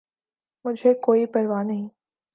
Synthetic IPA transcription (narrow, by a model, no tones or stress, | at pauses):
mʊd͡ʒʱekoːipɐɾʋanɐɦĩ